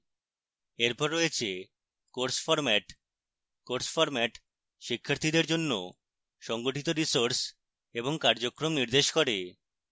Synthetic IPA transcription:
eɾpɔɾːɔjet͡ɕʰe | koɾsfɔɾmɛʈ | koɾsfɔɾmɛʈ | ʃikʰːaɾt̪ʰid̪eɾd͡ʑonːo̰ | ʃɔŋɡoʈit̪oɾisoɾs | eboŋkaɾd͡ʑokːɾomniɾd̪eʃkoɾe

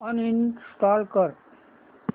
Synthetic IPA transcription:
ʌninsʈaːlkəɾ

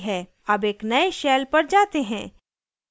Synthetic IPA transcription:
ɦɛː | ɐbeːknɐeʃɛːlpɐɾd͡ʒaːt̪eɦɛ̃ː

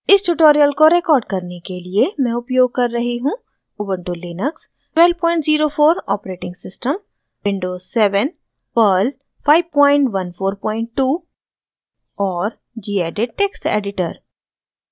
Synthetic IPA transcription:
ɪsʈuʈoːɾijəlkoɾekɔːɾɖ̚kɐɾnekeliemɛ̃ʊpjoːɡ̚kɐɾːɐɦiɦũ | ʊbə̃ɳʈulɪnəks | ʈwɛːlpɔ̃ːɪ̃ɳʈziːɾofoːɾɔːpɾeːʈɪ̃ŋɡsɪsʈəm | ʋɪ̃ɳɖoːzsɛːʋən | pəl | pʰaːɪʋpɔ̃ːɪ̃ɳʈʋɐnfʰoːɾpɔ̃ːɪ̃ɳʈ̚ːuː | ɔːɾ | d͡ʒiːeːɖeʈeːksʈḛːɖɪʈə̰ɾ

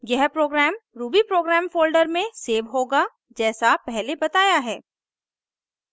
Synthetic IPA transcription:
jɛɦpɾoːɡɾɛːmɾuːbipɾoːɡɾɛːmfoːlɖəɾmẽseːʋɦoːɡa | d͡ʒɛːsapɛɦlebɐt̪aːjaɦɛː

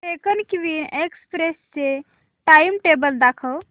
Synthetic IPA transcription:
ekənkʋinekspɾesse | ʈajimʈebəld̪akʰəw

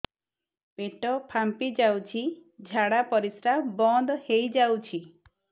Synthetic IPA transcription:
peʈɔpʰampid͡ʒawt͡ʃʰid͡ʒʱaɽapɔɾisɾabɔnd̪hejd͡ʒawt͡ʃʰi

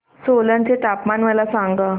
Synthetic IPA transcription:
solənt͡set̪apmanməlasãŋɡə

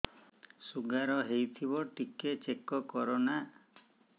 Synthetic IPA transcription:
suɡaɾɔɦejt̪ʰibɔʈiket͡ʃekɔkɔɾɔna

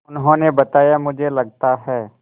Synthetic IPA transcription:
ʊnɦõnebɐt̪aːjamʊd͡ʒʱelɐɡ̚t̪aɦɛː

